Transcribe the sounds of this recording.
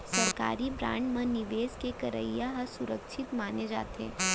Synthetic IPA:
sɐɾka̰ːɾibɾã̰ːɳɖmɐ̃nɪʋeːskekɐɾə̰ijaɦɐsʊɾəkʃɪt̪maːned͡ʒa̰ːt̪ḛ̃ː

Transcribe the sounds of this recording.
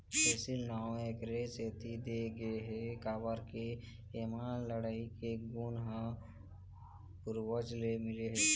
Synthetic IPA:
pɛːsɪlnaːweːkɾeseːt̪id̪eɡəeɦɛkaːbəɾke | emaːnləɽaːikeɡuːnɦã | pʊɾwəd͡ʒlemɪleɦɛː

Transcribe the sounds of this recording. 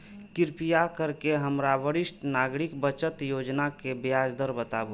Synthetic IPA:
kɪɾpijakəɾkeɦəmɾabəɾɪsʈnaːɡɾikbət͡ʃət̪joːd͡ʒnakebjaːd͡ʒd̪əɾbət̪abo

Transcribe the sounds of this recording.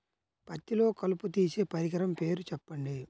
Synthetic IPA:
pɐt̪ːilo̞ːkɐluput̪̬iːse̞ːpɐɾiɡɐɾɐmpe̞ːɾut͡ʃɛpːɐɳɖi

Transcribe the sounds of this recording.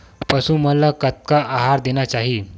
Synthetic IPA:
pəsuːməlakət̪̚kaʔaɦaɾd̪enjat͡ɕaɦiː

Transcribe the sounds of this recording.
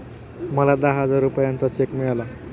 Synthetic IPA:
mʌlad̪aɦɦʌd͡zaɾupajʌnt̪ʌt͡sekmela

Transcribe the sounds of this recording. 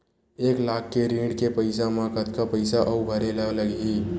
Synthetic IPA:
eːklaːkʰːeɾĩːɳɖkepəɪsamãkət̪kapəɪsaʔəubʱəɾelaləɡiː

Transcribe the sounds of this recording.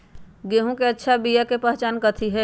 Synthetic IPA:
ɡeːɦõkeɐtːʃʰabijakepəɦt͡ʃaːnkət̪ʰiɦɛː

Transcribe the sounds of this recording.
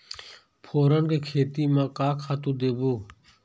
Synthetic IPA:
pʰoːɾənkeːkʰeːt̪iːmãːkaːkʰaːt̪ũːd̪eːboː

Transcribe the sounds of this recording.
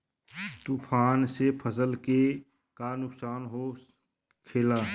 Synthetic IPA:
t̪upʰaːnsepʰəsəlke | kanʊksaːnɦo | kʰeːlaː

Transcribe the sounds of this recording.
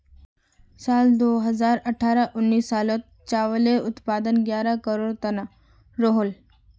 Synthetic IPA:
sald̪oɦəzaɾəʈʰaɾaʔunːiːsːalot̪̚ | t͡ʃaʋəleʊt̪pad̪ənɡjaɾakəɾoːɽt̪əna | ɾoɦol

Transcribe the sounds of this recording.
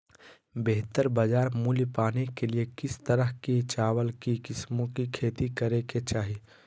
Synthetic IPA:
beɦt̪əɾbəd͡ʒaːɾmuːljpaːnekeliekɪst̪əɾəɦkit͡ʃaːwəlkikɪsmõkikʰeːt̪ikəɾeket͡ʃaːɦi

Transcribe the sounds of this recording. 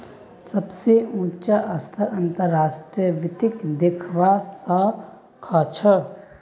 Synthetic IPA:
səbseũːt͡ʃaʔəst̪ʰəɾənt̪əɾːaːsʈɾiəʋɪt̪ɪkd̪ɪkʰʋasə | kʰat͡ʃʰə

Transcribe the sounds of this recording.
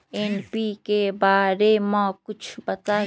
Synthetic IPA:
enpiːkebaːɾemɔ̃kʊt͡ʃʰbɐt̪a

